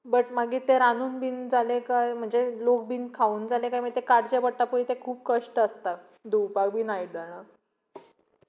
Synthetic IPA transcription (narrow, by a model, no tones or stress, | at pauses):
bəʈmaɡiːt̪eɾanuːnbiːnd͡zalekajm̤əɳd͡zelok̚biːnkʰauːnd͡zalekajməɡt̪ekaɽt͡ɕebəɽʈapəit̪ekʰuːp̚kəʂʈəəst̪a | d̪upak̚bʱiːnaid͡zaɽ̃a